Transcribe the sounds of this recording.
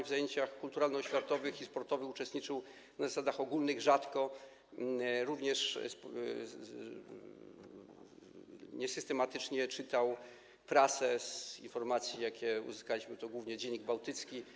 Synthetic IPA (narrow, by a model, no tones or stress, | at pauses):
vzajeɲt͡ɕaxkult̪uɾalnɔɕfʲjat̪ɔvɘxispɔɾt̪ɔvɘxut͡ʂɛst̪ɲit͡ʂɘw | nazasad̪axɔɡulnɘɣʐat̪kɔ | ɾuvɲɛʂs | ɲɛsɘst̪ɛmat̪ɘt͡ʂɲɛt͡ʂɘt̪aw | pɾasɛzḭnfɔɾmat̪sʲjijakʲɛṵzɨskalʲiɕmɘt̪ɔɡwuvɲɛd͡ʑɛɲːiɡ̚bawt̪ɘt̪skʲi